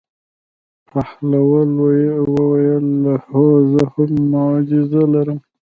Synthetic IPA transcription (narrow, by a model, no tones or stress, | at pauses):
pʰahlawalwwəwajəlːahozəhommʊad͡ʒɪzalaɾəm